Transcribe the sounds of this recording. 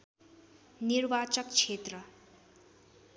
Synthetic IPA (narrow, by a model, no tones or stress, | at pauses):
nirbat͡sʌkt͡sʰet̪rʌ